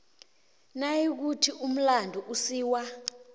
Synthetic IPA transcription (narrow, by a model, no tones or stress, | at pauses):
najik̬utʰiʔum̩landʱuʔusiːwa